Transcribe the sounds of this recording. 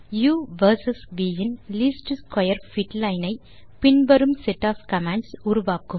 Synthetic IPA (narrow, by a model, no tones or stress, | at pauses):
juːʋɐɾsɐsʋiːjɐnliːsʈskɐjɐɾfiʈlɐɪnɐɪ | pɪɳbɐɾɯmsɛʈːaːfkɐmãːɳɖsuɾuʋaːkɯm